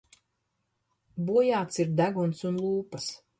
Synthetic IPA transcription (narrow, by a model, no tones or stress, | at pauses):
buɔjaːt̪siɾd̪æɡunsunlˠuːpɐs